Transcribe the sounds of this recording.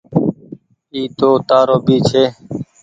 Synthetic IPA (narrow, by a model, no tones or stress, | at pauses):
iːt̪oːt̪aːɾoːbiːt͡ʃʰeː